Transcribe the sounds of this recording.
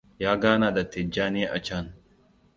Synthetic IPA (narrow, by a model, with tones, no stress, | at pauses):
jaː˦ɡaː˦na˨d̪ɐ˨t̪ːɛ˨d͡ʒːaː˦neː˦ʔɐ̰˨t͡ʃaː˦n